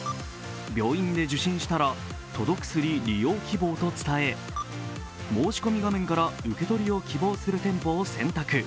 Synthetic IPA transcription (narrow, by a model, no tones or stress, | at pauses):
bʲo̞ːĩnd̪e̞ʑɨɕĩɰ̃ɕi̥t̪aɾa | t̪o̞d̪o̞kɯ̟̥sɨɾʲiɾʲijo̞ːkʲibo̞ːt̪o̞t͡sɨ̥t̪ae̞ | mo̞ːɕi̥ko̞mʲiɡamẽ̞ŋkaɾaɯ̟ke̞t̪o̞ɾʲio̞kʲibo̞ːsɨɾɯ̟t̪ẽ̞mpo̞ːsẽ̞nt̪akɯ̟